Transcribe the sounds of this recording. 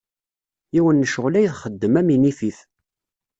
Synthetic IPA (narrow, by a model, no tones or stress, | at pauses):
iwənːəʃəʁlæjθχəd̪ːəmæminifiθ